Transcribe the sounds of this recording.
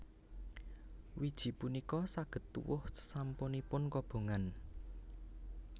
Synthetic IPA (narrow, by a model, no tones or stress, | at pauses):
wid̥ʒ̥i̤punikɔsaɡ̥ə̤t̪ːṵwʊ̰hsə̥samponipʊnkob̥o̤ŋan